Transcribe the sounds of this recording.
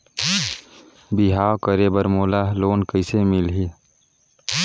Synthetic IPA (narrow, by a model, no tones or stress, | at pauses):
biɦaːokəɾeːbəɾmoːlaːloːnkəɪsemɪlɦi